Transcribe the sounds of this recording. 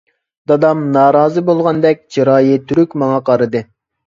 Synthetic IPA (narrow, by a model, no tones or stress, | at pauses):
d̪̥ɑd̪ɑmnɑːɾɑːzɨbolˠʁɑnd̪ɛk̚ʲd͡ʒɑɾɑːjit̪ʰyɾykʲmɑŋɑqʰɑɾɨd̪ɨ